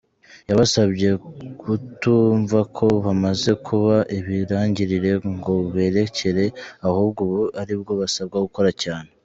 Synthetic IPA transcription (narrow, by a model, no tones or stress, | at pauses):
jaβasaβɟe̞kʰutuɱvakʰo̞βamaze̞kʰuβaʔiβiɾaːɲɟiɾiɾe̞ŋɡo̞βeːɾe̞cʰe̞ɾe̞ahuːb̚ɡoβuaɾibɡo̞βasab̚ɡaɡuko̞ɾacaːne̞